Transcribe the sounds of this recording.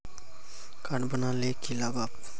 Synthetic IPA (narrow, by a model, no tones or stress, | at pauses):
kaɽbənalekilaɡap̚